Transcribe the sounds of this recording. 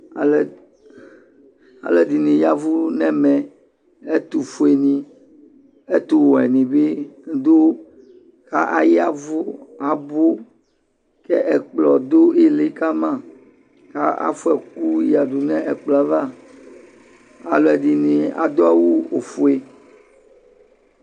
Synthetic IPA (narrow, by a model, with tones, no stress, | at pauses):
a˨l | a̰˨le˨di˨nĩ˨ja˨vu˦nɛ̃˦mɛ̃˨ | e˦t̪u˨fu˨e˨nĩ˨ | e˦t̪u˦wɔ˨ɛ˨nĩ˨be˦d̪o˦ | ka˦ʔa˨ja˦vo˦a˨bo˦ | kɛ˦ʔɛ˨k͡plɔ˨d̪o˦i˦le˦ka˦mã˦˨ | ka̰˦a̰˦fu˦ɛ˨ku˦ja˨ɖu˨nɛ̃˦ʔɛ˨k͡plɔ˨a˨va˦ | a̰˨lɔ˨ɛ˨di˨nĩ˨a̰˨d̪o˦a˦wu˦o˨fu˨e˨